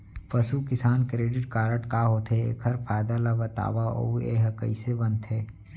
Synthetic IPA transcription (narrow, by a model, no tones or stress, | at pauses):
pɐsukɪsaːnkɾeːɖɪʈ̚kaːɾəʈkaːɦoːt̪ɦḛːkʰɐɾfʰaːjd̪alabɐt̪a̰ːʋaʔo̰ḛɦɐkə̰isebɐ̃nt̪ʰɦeː